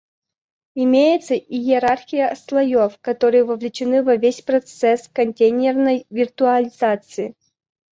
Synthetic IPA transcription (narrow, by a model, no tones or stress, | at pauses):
ɪmʲejɪt̪səʔijɪɾarxʲɪjəslˠɐjofkɐt̪oɾɨjəvɐvlʲɪt͡ɕɪnɨvɐvʲesʲpɾɐt̪sɛskɐnʲt̪ʲejnʲɪrnəjvʲɪrt̪ʊɐlʲɪzat̪sɨɪ